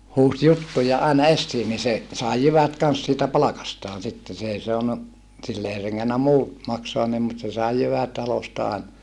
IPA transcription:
huːs jutːujɑ ɑˑinɑ esːiː ni se sɑˑi jyʋæt kɑns siːtæ pɑlɑkɑstɑːn sitːe s eˑi soɑnu silː ei reŋːenːæ muː mɑksoɑn nim mut se sɑˑi jyʋæt tɑlostɑ ɑˑinɑ

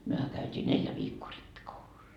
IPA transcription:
myøhæ kæytʲiː neljæ ʋiːkːoː ripːikoulusːɑ

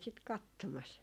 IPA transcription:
sit kɑtːomɑs

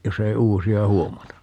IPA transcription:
jos ei uːsiɑ huomɑtɑ

